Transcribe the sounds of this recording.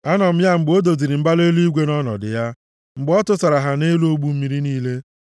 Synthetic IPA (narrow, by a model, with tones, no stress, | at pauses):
a˦nɔ˨m̩˦ja˦ŋ͡m̩˨ɡ͡bo˦do˨zi˨ɾi˨m̩˦ba˦le˦lu˦i˦ɡʷe˦nɔ˦nɔ̰˨dɪ̰˨ja˦ | ŋ͡m̩˨ɡ͡bɔ˦tʊ˦sa˨ɾa˨ɦa˨ne˦lu˦o˦ɡ͡bu˦m̩˦mi˦ɾi˦niː˦le˦